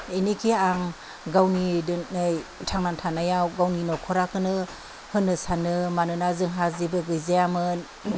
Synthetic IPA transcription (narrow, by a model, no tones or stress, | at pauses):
enikʰiaŋ | ɡawninjtʰaŋnantʰanajawɡawninɔkʰɔɾakʰɯnɯ | hɯnɯsanɯmanɯnazɯŋɦazibɯɡɯjzejamɯn